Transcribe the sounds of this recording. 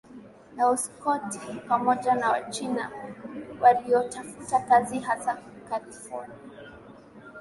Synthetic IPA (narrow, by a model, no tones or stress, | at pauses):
nauskɔtipamɔʄanawat͡ʃina̰ | waliɔtafutakaziɦazakalifɔ̰nia